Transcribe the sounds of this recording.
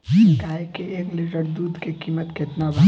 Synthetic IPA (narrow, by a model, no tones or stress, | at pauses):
kaɦekeeːklɪʈəɾd̪uːd̪ʱkekiːmət̪kɪt̪nabʱa